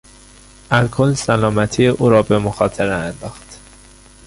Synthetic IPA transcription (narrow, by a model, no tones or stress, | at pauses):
ʔælkʰolsælɒːmæt̪ʰijeʔuːɾɒːbe̞moxɒːt̪ʰeɾeænd̪ɒːxt̪